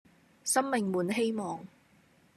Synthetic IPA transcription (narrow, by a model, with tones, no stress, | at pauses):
sɐ˥mmɪ˨ŋmuː˨nɦe˥jmɔː˨ŋ